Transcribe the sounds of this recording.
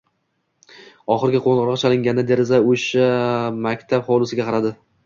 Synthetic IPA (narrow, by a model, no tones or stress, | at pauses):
ɒχɨɾɡʲɪqʰonʁɨɾʁɑt͡ʃʰalˠɪŋɡʲanːɪd̪e̞ɾɪzaoʃamakʲt̪ʰabχɒwlˠɪsɪɡʲaqʰɑɾad̪ɪ